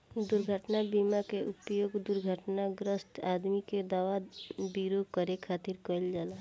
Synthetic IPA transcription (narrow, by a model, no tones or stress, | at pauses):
d̪ʊɾɡʱəʈnabimakeʔʊpjoːɡd̪ʊɾɡʱəʈnaɡɾəsʈaːd̪miked̪aːʋabiɾokəɾekʰaːt̪iɾkəld͡ʒaːla